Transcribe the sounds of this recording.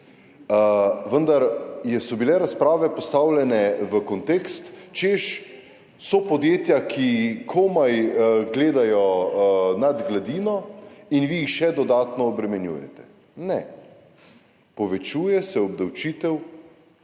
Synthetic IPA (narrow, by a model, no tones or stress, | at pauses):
əʋənd̪aɾjɛsɔbilɛɾaspɾaːʋɛpɔst̪aːwlʲɛnɛʋəkɔnt̪eːkst̪t͡ʃeʃ | sɔpɔd̪jeːt̪jakʰikʰomajɡleːd̪ajɔ | nad̪ɡlad̪iːnɔinʋiixʃɛd̪ɔd̪aːt̪nɔːbɾɛmɛnjṵːjɛ̰t̪ɛ̥ | nɛ | pɔʋɛt͡ʃuːjɛsɛɔbd̪awt͡ʃiːt̪ɛw